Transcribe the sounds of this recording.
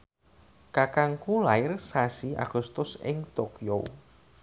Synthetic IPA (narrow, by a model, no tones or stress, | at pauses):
kakaŋkulaɪrsasia̰ɡ̥ʊst̪ʊsɪŋt̪okio̰